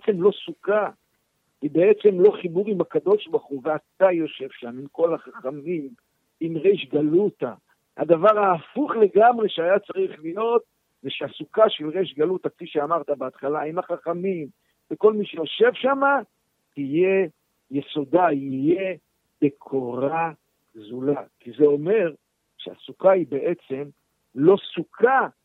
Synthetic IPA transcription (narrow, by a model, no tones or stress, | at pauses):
et͡se̞mlo̞suka | ibe̞et͡se̞mlo̞χibuʁimakad̪o̞ʃbaʁχuveat̪ajo̞ʃe̞vʃamimko̞laχaχamim | imʁeʃɡalut̪a̰ | ha̰d̪avaʁaːfuχle̞ɡamʁeʃeajat͡saʁiχlijo̞t̪̚ | zeʃeasukaʃe̞lʁeʃɡalut̪akfiʃeamaʁt̪abeat̪χalaimaχaχamim | veko̞lmiʃejo̞ʃe̞vʃama | tije | jeso̞d̪aije̞ | bekʰoʁa | zulakizeo̞me̞ʁ | ʃea̰sukaibe̞ʔet͡se̞m | lo̞sukʰa